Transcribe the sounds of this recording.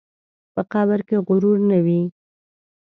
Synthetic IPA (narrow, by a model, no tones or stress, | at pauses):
pəqɑbəɾkeɣʊɾuɾnawi